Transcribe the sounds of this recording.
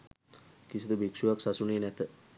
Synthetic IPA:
kisid̪ubʱikʃuʋaksasuneːnɛt̪ə

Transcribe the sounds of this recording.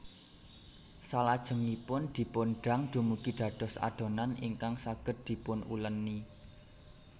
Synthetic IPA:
salad̥ʒ̥ə̤ŋipʊnd̪̥i̤pʊnɖ̥a̤ŋɖ̪̥o̤muɡ̥iɖ̪̥a̤ɖ̥ɔ̤sa̰d̥ɔ̤nanḭŋkaŋsaɡ̥ə̤t̪̚d̪̥i̤pʊnṵlənːi

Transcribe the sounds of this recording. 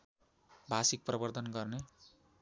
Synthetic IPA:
bʱasik̚prʌbʌrd̪ʱʌnɡʌrne

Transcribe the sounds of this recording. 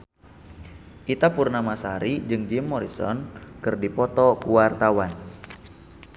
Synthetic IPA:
ʔit̪apurnamasaɾid͡ʒɨŋd͡ʒimːɔɾisɔ̰nkɨrdipɔt̪ɔkuwart̪awan

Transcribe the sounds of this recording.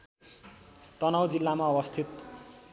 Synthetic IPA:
t̪ʌnawd͡zilːamaʌbʌst̪ʰit̪

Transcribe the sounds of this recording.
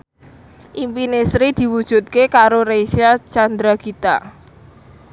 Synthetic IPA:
ʔimpinesɾid̪̥i̤wud̥ʒ̥ṳt̪̚kekaɾoɾeisiat͡ʃand̪ɾakit̪a

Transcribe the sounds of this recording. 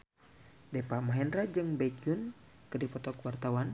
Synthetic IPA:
dɛpamaɦɛnɾad͡ʒɨŋbekiunkɨdipɔt̪ɔkwart̪awan

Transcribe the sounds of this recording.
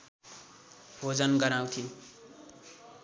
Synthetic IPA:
bʱod͡zʌnɡʌɾaw̃t̪ʰi

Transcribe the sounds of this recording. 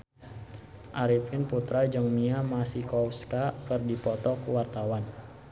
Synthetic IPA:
ʔaɾifɪnput̪ɾad͡ʒəŋmiamasikɔwskakərdipɔt̪ɔkuwart̪awan

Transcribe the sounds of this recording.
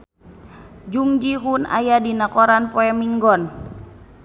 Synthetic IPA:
d͡ʒuŋd͡ʒiɦuna̰jadinakɔɾanpɔɛmiŋɡɔn

